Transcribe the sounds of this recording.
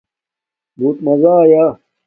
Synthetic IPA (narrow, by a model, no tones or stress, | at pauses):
buːt̪mɐzaːja